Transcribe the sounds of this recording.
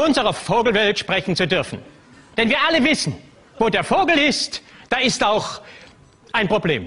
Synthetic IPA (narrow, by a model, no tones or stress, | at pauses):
ʔʊnzəʁɐfoːɡl̩vɛltʃpʁ̥ɛçn̩t͡sudʏɐfn̩ | d̥ɛnviːɐʔaləvɪsn̩ | v̥oːdeːɐfoːɡl̩ɪstd̥aːɪstaʊx | ʔaɪnpʁ̥obleːm